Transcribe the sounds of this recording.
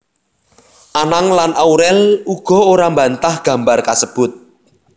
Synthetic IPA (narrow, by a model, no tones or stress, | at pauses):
ʔanaŋlanʔawɾɛluɡ̥ɔ̤oɾambant̪ahɡ̥ä̤mbarkasəb̥ʊt̪̚